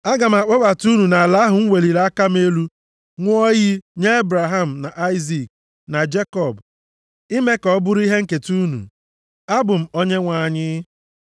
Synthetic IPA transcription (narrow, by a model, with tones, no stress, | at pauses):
a˦ɡa˨m̩˨a˨k͡pɔ˦ba˨tu˦nu˨na˨a˨la˦ɦʊ˨ŋ̩˦wʷe˨li˨ɾa˦ka˦m̩˦e˦lu˦ | ŋʷʊ˦ɔ˦ji˦ɲe˦e˦bɾa˨ɦa˦˨m̩˨na˨ʔa˦ɪ˦zi˨k̚ | na˨d͡ʒe˦kɔ˨b | i˦me˦kɔ˨˦bʊ˦ɾi˦ɦe˦ŋ̩˦ke˨tu˦nṵ˨ | a˦bʊ˨m̩˨o˦ɲe˦ŋʷa˨a˨ɲɪ˦